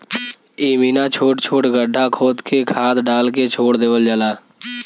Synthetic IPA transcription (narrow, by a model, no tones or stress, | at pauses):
iːmiːnat͡ʃʰoːʈt͡ʃʰoːʈɡəɖʱːakʰoːd̪kʰekʰaːd̪ɖaːlket͡ʃʰoːɽd̪eːʋəld͡ʒəlaː